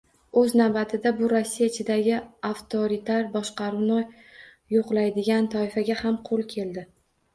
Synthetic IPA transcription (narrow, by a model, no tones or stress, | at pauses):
ɵznawbat̪ʰɪd̪abʊɾosːijaɪt͡ʃʰɪd̪aɡʲɪaft̪ʰoɾit̪ʰaɾbɒʃqɑɾunɪ | joqlˠajd̪ɪɡʲant̪ʰɒɪfaɡʲahamqʰolˠkʲʰe̞ld̪ɪ